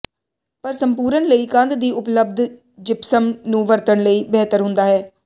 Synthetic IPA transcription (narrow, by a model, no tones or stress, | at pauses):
pəɾsəmpuːɾənləiːkə̃nd̪d̪iːʊpləb̚d̪ | d͡ʒɪpsəmnũːʋəɾt̪əɳləiːbɛːt̪əɾɦʊ̃nd̪aːɦɛː